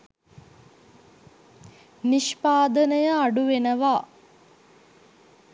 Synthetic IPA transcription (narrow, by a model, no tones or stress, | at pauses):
niʃpaːd̪ənəjəaɖuʋenəʋa